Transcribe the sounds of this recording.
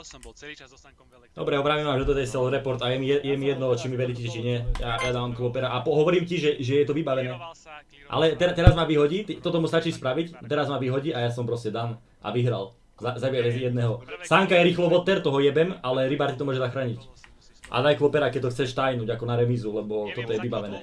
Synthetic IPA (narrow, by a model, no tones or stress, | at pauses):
d̪̥ɔbɾɛɔbɾaːʋimaʒd̪ɔt̪ɔt̪ajsɛld̪ɾɛpɔɾt̪ajɛmiɛjɛmijɛd̪nɔt͡ʃimiʋɛɾicɛcɛt͡ʃiɲɪɛjajad̪aːʋamkʋɔpɛɾaʔapɔɦɔʋɔɾiːmciʒɛʒɛjɛt̪ɔʋibaʋɛnɛː | ʔa̰lɛt̪ɛt̪ɛɾazmaʋiɦɔɟiːt̪it̪ɔt̪ɔmust̪at͡ʃiːspɾaʋict̪ɛɾazmaʋiɦɔɟiːʔajasɔmpɾɔscɛd̪an | ʔa̰ʋiɦɾa̰l | zazaʋɛɛzjɛd̪nɛɦɔsaŋkajɛɾiːxlɔʋɔt̪ːɛɾt̪ɔɦɔjɛbɛmalɛɾibaɾt̪it̪ɔmʊɔʒɛzaxɾaːɲic | ʔa̰d̪ajkʋɔpɛɾakɛc̚t̪ɔxt͡sɛʃt̪ajnuɟakɔnaɾɛmizulɛbɔt̪ɔt̪ɔjɛʋibaʋɛnɛː